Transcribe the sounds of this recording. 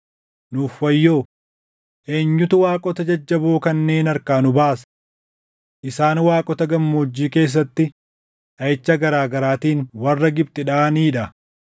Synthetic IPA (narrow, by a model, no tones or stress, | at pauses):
nuːfwɐjːo̞ː | ʔe̞ːɲːʊt̪ʊwaːkʼɔt̪ɐd͡ʒɐd͡ʒːɐboːkɐnːe̞ːnɐɾkaːnʊbaːs | ʔɪsaːnwaːkʼɔt̪ɐɡɐmːoːd͡ʒːiːke̞ːs̬ːɐt̪ːɪ | ᶑɐjɪt͡ʃːɐɡɐɾaːɡɐɾaːt̪iːnwɐrːɐɡɪbt̪ɪᶑaːniːᶑɐ